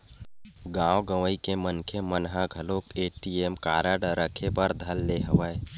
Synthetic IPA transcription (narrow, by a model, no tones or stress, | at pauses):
ɡãːwɡəʋəikemənkʰemənɦaɡʱəlopeːʈiemkaːɾəɖəɾəkʰepəɾd̪ʱəlːeɦəʋəe